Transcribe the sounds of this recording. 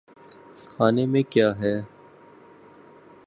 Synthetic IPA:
kʰaːnemẽkjaːɦɛː

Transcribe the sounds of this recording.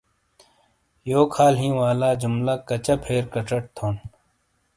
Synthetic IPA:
joːkʰaːlɦĩːwaːlaːd͡ʑʊmlakɐt͡ɕɐpʰeːɾkɐʈɐʈ̚t̪ʰoːn

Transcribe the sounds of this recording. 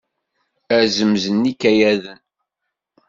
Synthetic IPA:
æzəmzənːikːæjæðən

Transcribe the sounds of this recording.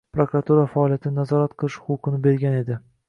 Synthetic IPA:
pɾokɾat̪uɾafaɒlˠijat̪ʰɪnɪnazɒɾat̪qʰɨlˠɪʃχʊqɨnɪbe̞ɾɡʲane̞d̪ɪ

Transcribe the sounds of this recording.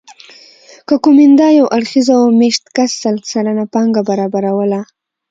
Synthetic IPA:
kəkumɪnd̪ɑjawʔaɽxizaomeʃt̪kasːalsaɾanapɑŋɡabaɾɑbaɾawəla

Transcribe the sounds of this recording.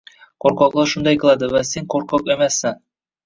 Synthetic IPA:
qoɾqɑqlˠɑɾʃund̪ɑjqɤ̆lˠɑd̪ɤvæseŋqoɾqɑqæmæsæŋ

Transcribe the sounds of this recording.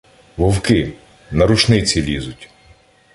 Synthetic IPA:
ʋɔwkɪ | nɐɾʊt͡ʃnɪt͡sʲilʲizʊtʲ

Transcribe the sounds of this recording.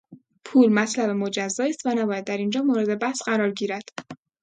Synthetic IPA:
pʰuːlmæt̪ʰlæbemo̞d͡ʒæzːɒːiːst̪vænæbɒːjæd̪ːæɾind͡ʒɒːmoːɾe̞d̪e̞bæhsɢæɾɒːɾɟiːɾæd̪̥

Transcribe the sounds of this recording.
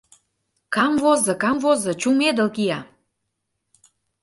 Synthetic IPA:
kɑmvozɤ̆kɑmvozɤ̆t͡ɕumed̪ə̆lkijɑ

